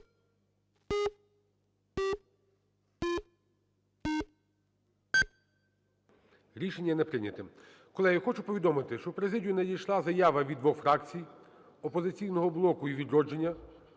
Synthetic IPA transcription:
ɾʲiʃenʲːɐnɛpɾɪnʲɐt̪ɪm | kɔlˠɛɦixɔt͡ʃʊpɔʋʲid̪ɔmɪt̪ɪʃt͡ʃɔwpɾezɪdʲjunedʲijʃlˠɑzɐjaʋɐʋʲid̪ʋɔxfɾɑkt͡sʲij | ɔpɔzɪt͡sʲijnɔɦɔblˠɔkʊiʋʲid̪ɾɔd͡ʒenʲːɐ

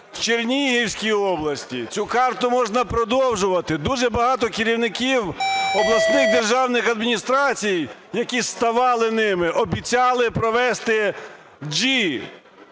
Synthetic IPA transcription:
w̥t͡ʃernʲiɦiwʲsʲkʲijɔblˠɐsʲtʲḭt͡sʲukɑrt̪ʊmɔʒnɐpɾɔd̪ɔwʒʊʋɐt̪ɪd̪uʒɛbɐɦɑt̪ɔkɪɾʲiwnɪkʲiwɔblˠɐsnɪxd̪erʒɑwnɪxɐd̪mʲinʲist̪ɾɑt͡sʲijjɐkʲist̪ɐʋɑlˠɪnɪmɪʔɔbʲit͡sʲɑlˠɪpɾɔʋɛst̪ɪ | d͡ʒi

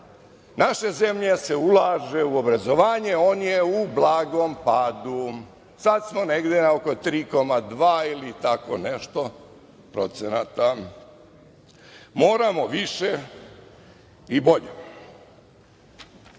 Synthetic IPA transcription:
naʃe̞ze̞mʎese̞ulˠaːʒe̞uo̞bɾazo̞ʋaːɲe̞oːnjeublˠaːɡo̞mpaːd̪u | sad̪smo̞neɡd̪enaoko̞t̪ɾiːko̞mad̪ʋaːilit̪ako̰neʃt̪o̞ | pɾo̞̰t̪senat̪a | mo̞ːɾamo̞ʋiʃe | ibo̞ʎe

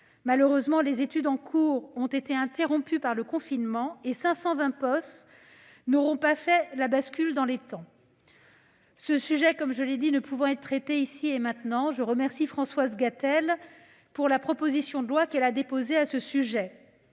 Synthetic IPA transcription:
maløʁøzmɑ̃lezet̪yd̪ɑ̃kʰuʁɔ̃t̪et̪eɛ̃t̪eʁɔ̃pypaʁləkɔ̃finmɑ̃esɛ̃sɑ̃vɛ̃pɔst̪ | nɔʁɔ̃pafɛlabaskʲyld̪ɑ̃let̪ɑ̃ | səsyʒɛkɔmʒəled̪inəpuvɑ̃ɛt̪ːχet̪eisiemɛ̃t̪nɑ̃ʒəʁəmɛʁsifχɑ̃swazɡat̪ɛl | puʁlapχɔpozisjɔ̃d̪əlwakɛlad̪epozeasəsyʒɛ

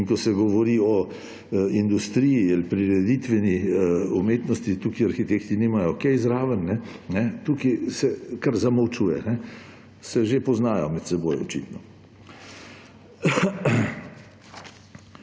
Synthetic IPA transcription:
inkɔsɛɡɔʋɔɾiɔ | ind̪ust̪ɾijialpɾiɾɛd̪it̪ʋɛniumeːt̪nɔst̪it̪ukiaɾxit̪ekt̪inimajɔkɛzɾaːʋənːɛnɛt̪ukisɛkaɾzamɐwt͡ʃuːjɛ̰nɛ | sɛʒepɔznaːjɔ̰mɛt̪sɛbojɔ̰t͡ʃḭːt̪nɔ

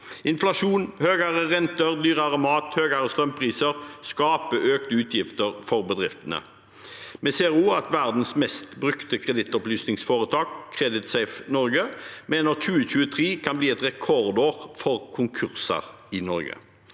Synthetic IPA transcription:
ɪnflɑʂuːnhøːɡəʁəʁɛnt̪əʁd̪yːʁəʁəmɑːt̪høːɡəɾəst̪ʁœmpʰʁiːsəʁskɑːpəʔøːkt̪əʉːt̪ʰjɪft̪əʁfɔʁbəd̪ʁɪft̪ənə̰ | mɛseːʁuːɑt̪ʋæʁd̪n̩smɛst̪bʁʉkt̪əkʰʁɛd̪ɪt̪ːɔplyːsnɪŋsfoːʁət̪ʰɑːkkʰːʁɛd̪ɪt̪sæɪfnɔʁɡəmeːnəʁçʉːəçʉːət̪ʰʁiːkʰɑnbliːɛt̪ʁɛkʰɔʁd̪oːʁfɔʁkʰʊŋkʰʉʁsə̰ʁ | ɪnɔʁɡə̰

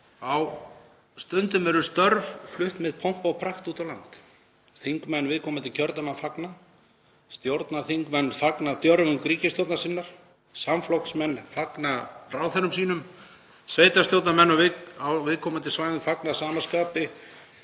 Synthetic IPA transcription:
aw | st̪ʏnt̪ʏmɛɾʏst̪œɾvflʏht̪mɪðpʰowm̥pawpʰɾaht̪uːt̪awlant̪ | θiŋkmɛnːvɪðkʰɔːmat̪ʰɪlcʰœɾt̪amanfakna | st̪jowɾt̪naθiŋkmɛnːfaknat̪jœɾvʏmkɾiːcɪst̪jowt̪nasɪnːaɾ̥ | samflɔksmɛnːfaknaɾaːwθɛɾʏmsiːnʏm | svejt̪ast̪jowt̪namɛnːavɪkawvɪðkʰɔːmant̪ʰɪlsvaːjðʏmfaknaðsaːmaskaːpɪ

